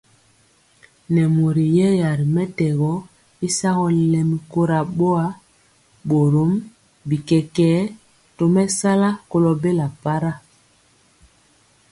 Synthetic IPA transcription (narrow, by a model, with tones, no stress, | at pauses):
nɛ˨mo˨ɾi˨jɛ˦ja˨ɾi˨mɛ˦tɛ˨ɣɔ˦ | i˦sa˦ɣɔ˦lɛ˨mi˨ko˦ɾa˨ɓo˦a˦ | ɓo˨ɾo˦m | bi˨kɛ˨kɛː˦ | to˨mɛ˦sa˦la˦ko˦lɔ˨be˦la˨pa˦ɾa˦